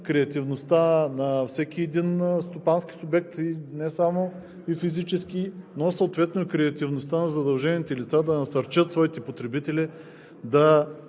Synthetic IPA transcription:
kɾɛɐt̪ivnost̪anɐfsɛkʲiɛd̪inst̪opansk̟i̥sʊbɛk̚t̪inɛsamo | ifizit͡ʃɛskinosɐot̪vɛt̪noɛkɾɛɐt̪ivnost̪anɐzɐd̪ɐlˠʒɛnʲit̪ɛlit̪sad̪ɐnɐsɐɾt͡ʃɤt̪svɔit̪ɛpot̪ɾɛbit̪ɛli | d̪ɐ

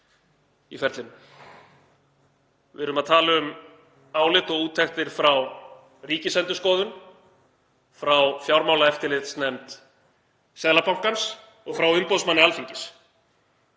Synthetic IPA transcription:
ifɛɾt̪lɪn | vɪ̰ɾʏmaðt̪ʰaːlʏʏm | aːwlɪt̪ɔɣuːt̪ʰːɛxt̪ɪɾ̥fɾaw | riːcɪsɛnt̪ʏ̥skɔːðʏn | fɾawfjawɾmaːwlaɛft̪ɪɾlɪt̪snɛmt̪ | sɛðlapawm̥kans | ɔɣfɾawʏmpɔðsmanːɪalfiɲcɪs

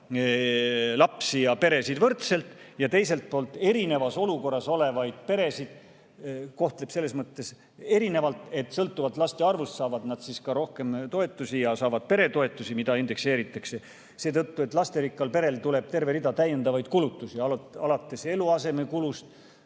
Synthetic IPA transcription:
lɑpsijɑpe̞ɾe̞sid̪vɤrt̪se̞lt̪jɑt̪e̞jse̞lt̪̚poːlt̪ːˑe̞ɾine̞vɑso̞luko̞rːɑso̞le̞vɑjd̪̥̚pe̞ɾe̞sid̪̥ | ko̞ht̪le̞b̥se̞lːe̞smɤt̪ːe̞s | e̞ɾine̞vɑlt̪e̞t̪ːˑsɤlt̪ːˑuvɑlt̪ːˑlɑst̪eɑrvust̪sɑːvɑd̪nɑd̪̥siskɑɾo̞hke̞mt̪o̞e̞t̪ˑːusijɑsɑːvɑd̪̥̚pe̞ɾe̞t̪o̞e̞t̪ˑːusimid̪ɑind̪̥e̞kse̞ːɾit̪ːˑɑkse̞ | se̞ːt̪ɤt̪ːue̞t̪ˑlɑst̪e̞ɾikːˑɑlpe̞ɾe̞lt̪ule̞b̥̚t̪e̞rve̞ɾid̪ɑt̪æjːe̞nd̪ɑvɑjd̪̥kulut̪ːˑusiɑlɑlɑt̪ˑːe̞se̞luɑse̞me̞kulust̪

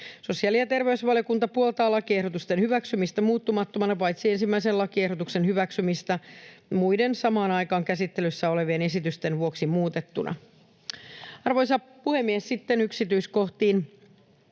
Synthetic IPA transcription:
so̞siɑliɑt̪erʋeysʋɑlijo̞kunt̪ɑpuolt̪ɑːlɑkiehɾo̞t̪ust̪enhyʋæksymist̪æmuːt̪ːumɑt̪ːomɑnɑpɑjt̪sie̞nsimːæiselɑkiehɾdo̞t̪ukse̞nhyʋæksymist̪æmujde̞nsɑmɑːnɑjkɑːŋkæsit̪ːelysːæo̞le̞ʋeːne̞sit̪yst̪e̞nʋuo̞ksimuːt̪et̪ːunʔɑ̰ | ɑrʋojsɑ | puhe̞mːiessit̪ːenyksit̪yisko̞ht̪iːn

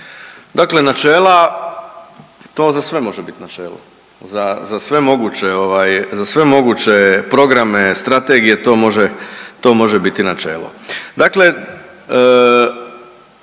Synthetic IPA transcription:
d̪akle̞nat͡ʃeːlˠa | t̪o̞ːzasʋe̞mo̞ʒebit̪nat͡ʃe̞ːlo̰ | zazasʋe̞mo̞ɡut͡ɕe̞o̞ʋajzasʋe̞mo̞ɡuːt͡ɕe̞pɾo̞ɡɾame̞st̪ɾat̪eːɡije̞t̪o̞ːmo̞ʒet̪o̞mo̞ʒebit̪inat͡ʃe̞̰ːlo̞̰d̪akle̞

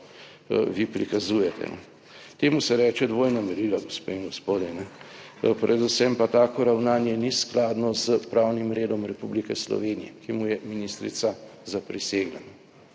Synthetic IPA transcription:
ʋipɾikazuːjɛt̪ʰɛ̰nɛ̰ | t̪eːmusɛɾɛːt͡ʃɛd̪ʋoːjnamɛɾilaɡospeːiŋɡospoːd̪jɛnɛpɾʔɛd̪usɛmpat̪aːkɔɾawnaːnjɛnisklaːd̪nɔzəpɾawnimɾeːd̪ɔmɾɛpublikɛslɔ̰ʋeːnijɛkimujɛminist̪ɾḭt̪sazapɾiseːɡlanɛ

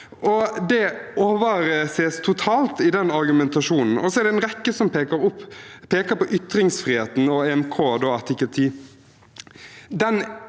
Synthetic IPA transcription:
ʔɔd̪ɛoːʋəɾəseːst̪ʰʊt̪ʰɑːlt̪ɪd̪ɛnɑɾɡʉmɛnt̪ɑʃuːnn̩ɔsɔɛɾɖ̪ɛɛnɾɛkːəsɔmpekəɾʊpːpʰeːkəpɔʔʏt̪ɾɪŋsfɾiːheːt̪n̩ɔɛɛmkʰoːd̪oːɑɾt̪ʰɪkːəlt̪ʰiː | d̪ɛn

